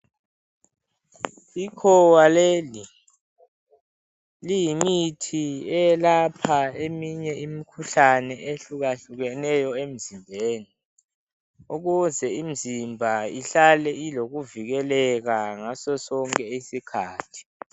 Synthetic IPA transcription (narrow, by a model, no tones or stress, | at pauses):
ikʰɔwaleːli | lijimitʰiɛjlapʰaemiɲɛimikʰuɬanɛʔeɬuɣaɬuɣɛnɛjɔem̩zimbʱeːni | uɣuzɛim̩zimbʱaiɬalɛiloɣuviɣɛlɛɣaŋasɔsɔŋkʼɛisikʰaːtʰi̥